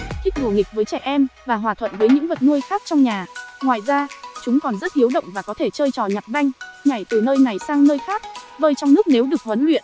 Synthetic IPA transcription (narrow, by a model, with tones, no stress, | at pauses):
ʔi˦˥t̚ɗu˧˩ŋï˨˩k̟̚vəː˨˦jt͡ɕɛ̰˧˩ʔɛ˧mvaː˨˩ɦwaː˨˩t̪ʰwə̰˧˨nvəː˨˦jɲɨ̰˧˥ŋvə˨˩t̚nu˧əjxaː˦˥k̚t͡ɕɔ˧wŋ͡mɲaː˨˩ŋwa̰ː˧˨jzaː˧t͡ɕʊ˨˦ŋ͡mkɔ˨˩nzə˦˥t̚ʔi˨˦əwɗə̰˧˨wŋ͡mvaː˨˩kɔ˨˦t̪ʰe˧˩t͡ɕəː˧jt͡ɕɔ˨˩ɲa˨˩t̚za˧jŋ̟ɲa˨˩jt̪ɨ˨˩nəː˧jna˨˩jsaː˧ŋnəː˧jxaː˦˥k̚vəː˧jt͡ɕɔ˧wŋ͡mnɨ˦˥ək̚ne˨˦wɗɨ˨˩ək̚hwə˨˦nlwḭ˧˨ənʔ